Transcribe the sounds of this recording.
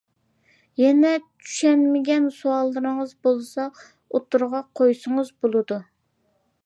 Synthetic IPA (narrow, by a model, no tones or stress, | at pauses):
jɛnɛt͡ʃʰy̥ʃɛnmɪɡʲɛnsuɑlˠːɨɾɨŋəzbolˠsɑ | ot̪ːuɾʁɑqʰojsəŋəzbolˠɨd̪u